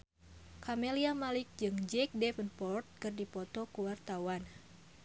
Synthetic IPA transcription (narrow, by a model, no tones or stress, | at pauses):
kʰameliamalik̚d͡ʒɨŋd͡ʒɛk̚dɛfənpɔrt̪̚kɨrdipɔt̪ɔkuwart̪awan